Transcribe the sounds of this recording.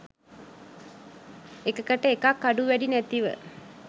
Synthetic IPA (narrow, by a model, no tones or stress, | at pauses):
ekəkəʈəekakːaɖuʋæɖinæt̪iʋə̰